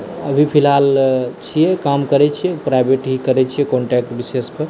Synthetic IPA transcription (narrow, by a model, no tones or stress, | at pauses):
əbʱipʰilɦalt͡ʃʰijɛkamkəɾɛt͡ʃʰijɛpɾajbeʈɦikəɾɛt͡ʃʰijɛkɔɳʈɛk̚ʈbisespəɾ